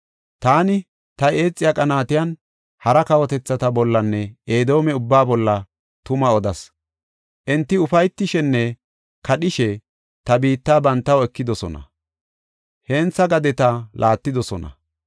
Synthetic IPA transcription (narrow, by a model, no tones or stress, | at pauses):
t̪aːnɪ | t̪ɐe̞ːt͡sʼːɪjakʼɐnaːt̪ɪjɐn | hɐɾɐkɐwɔt̪ɛt͡sːɐt̪ɐbɔlːɐnːɛeːd̪o̞ːmɛʊbːaːbɔlːɐ | t̪ʊmɐɔd̪ɐs | ʔɛnt̪ːɪʊfɐjt̪ːɪʃɛnːɛ | kɐɗɪʃɛ | t̪ɐbiːt̪ːaːbɐnt̪ːɐwɛkːɪd̪ɔsɔnɐ̰ | heːnt͡sːɐɡɐd̪ɛt̪ɐlʔaːt̪ːɪd̪ɔsɔnɐ̰